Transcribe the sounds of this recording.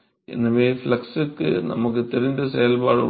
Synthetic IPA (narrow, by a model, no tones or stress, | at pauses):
ḛnːɐʋeːflɐksɨkːɨ̰nɐ̰muk̬ːɨt̪eɾind̪ɐsejɐlbaːɻṵ